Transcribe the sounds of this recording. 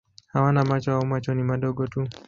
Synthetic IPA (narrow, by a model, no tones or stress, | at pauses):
hawanamat͡ʃɔaumat͡ʃɔnimaɗɔɠɔtu